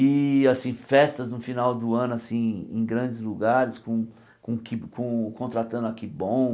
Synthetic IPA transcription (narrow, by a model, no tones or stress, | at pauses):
ɪasĩfɛst̪ɐznʊfinawd̪ʊɐ̃nʊasĩḛ̃j̃ɡɾɐ̃d͡ʒɪzluɡaɾɪskõ | kõkɪkõkõnt̪ɾat̪ɐ̃nd̪ʊakibõ